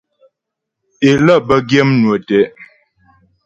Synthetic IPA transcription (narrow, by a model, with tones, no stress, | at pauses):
e˨lə˦˨bə˦ɡje˦mnwə˨tɛ˨˦